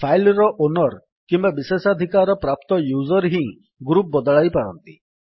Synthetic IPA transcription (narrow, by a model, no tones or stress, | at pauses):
pʰajlɾɔʔonɔɾ | kimbabisesad̪ʱikaɾɔpɾap̚t̪ɔjuzɔɾɦĩ | ɡɾup̚bɔd̪ɔɭajpaɾɔ̰nt̪i